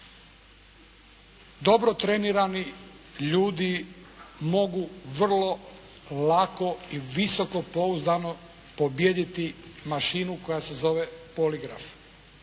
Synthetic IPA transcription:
d̪o̞bɾot̪ɾeniɾani | ʎuːd̪i | mo̞ɡuʋr̩lˠo̞ | lako̞iʋisoko̞po̞uzd̪ano | pobjed̪it̪i | maʃinuko̞jase̞zo̞ʋepoliɡɾa̰f

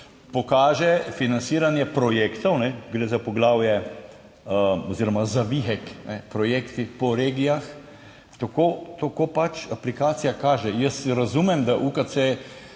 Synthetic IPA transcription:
pɔkaːʒɛfinansiːɾanjɛpɾɔjekt̪ɔwnɛɡɾezapɔɡlaːwjɛ | ɔziɾɔmazaʋiɦɛknɛpɾɔjeːkt̪ipɔɾeːɡijax | t̪akoːt̪okopat͡ʃaplikaːt̪sijakaːʒɛjəsɾazumɛmd̪aʔukase

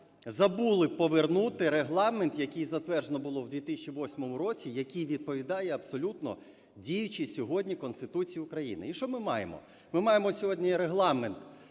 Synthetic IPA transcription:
zɐbulˠɪpɔʋernut̪ɪɾeɦlˠɑment̪jɐkɪjzɐt̪ʋɛrʒenɔbʊlˠɔwd̪ʲʋʲit̪isʲt͡ʃiʋɔsʲmɔmʊɾɔt͡sʲijɐkʲijʋʲid̪̚pɔʋʲid̪ɑjɛɐbsɔlʲut̪nɔ̰ | dʲijʊt͡ʃɪsʲɔɦɔdʲnʲikɔnst̪ɪt̪ut͡sʲijiʊkɾɐjḭnɪ̰iʃt͡ʃɔmɪmɑjḛmɔ̰ | mɪmɑjemɔsʲɔɦɔdʲnʲiɾeɦlˠɑment̪

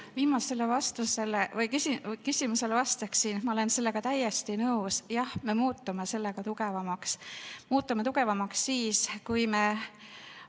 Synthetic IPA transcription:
viːmɑse̞lːevɑst̪use̞levɤjkysikysimuse̞levɑst̪eksiːnmɑole̞nse̞lːe̞ɡ̥ɑt̪æje̞st̪inɤwsjɑhme̞muːt̪ːume̞se̞lːe̞ɡ̥ɑt̪uɡe̞vɑmɑksmuːt̪ːˑumeuɡe̞vɑmɑksːiːskujme̞

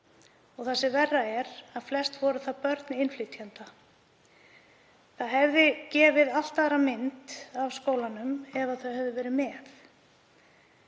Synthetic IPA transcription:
ɔɣθasɪvɛrːaɛɾaðflɛst̪vɔɾʏθaðpœɾt̪nɪnfliːt̪jant̪a | θaðɦɛvðɪcɛːvɪðal̥t̪aːɾamɪnt̪avskoːwlanʏmɛvaθœhœvðɪvɛːɾɪmɛːθ

